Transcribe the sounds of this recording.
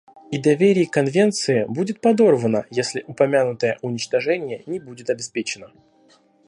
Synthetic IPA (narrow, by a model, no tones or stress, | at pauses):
id̪ɐvʲeɾʲɪjkɐnvʲe̞nt̪sɨɪbudʲɪt̪̚pɐd̪o̞rvənəjesʲlʲɪʔʊpɐmʲanʊt̪əjə̰ʔʊnʲɪt͡ɕt̪ɐʐɛnʲɪjənʲɪbudʲɪt̪ɐbʲɪspʲet͡ɕɪnə